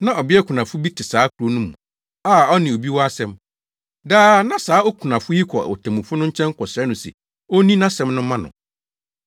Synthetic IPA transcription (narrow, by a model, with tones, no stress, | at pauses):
nã˦ɔ˨bɪ˦ɛ˦kʰu˨nã˨fʊ˦bi˦tʰɪ˨saː˨˦kʰu˨ɾo˦nũ˦mṵ̃˨ | aː˦˨ɔ˦nɪ̃˨o˨bi˦wɔ˦a˦sɛ̃˦m | daː˦nã˦saː˨˦o˦kʰu˨nã˨fʊ˦ji˦kʰɔ˨o̰˨tʰã˨mʊ̃˨fʊ˦nʊ̃˦ɲ̩˦t͡ɕʰɛ̃˦ŋ˦kʰɔ˨sɛ˦nʊ̃˨sɛ̰˨ | o˦nĩ˦nã˦sɛ̃˦mnʊ̃˦mã˦nʊ̰̃˨